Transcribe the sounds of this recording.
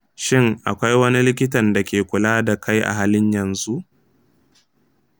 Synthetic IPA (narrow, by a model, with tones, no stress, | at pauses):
ʃɪ˦ŋʔa˨kʷa˦jwɐ˦ni˦lɪ˦k̬ʲɪ˦tɐ˨nda˨kʲeː˨kʷʊ˨laː˦da˨kʰa˦jʔa̰˨ɦaː˦lɪ˦ɲjɐ˨nzu˦ʔ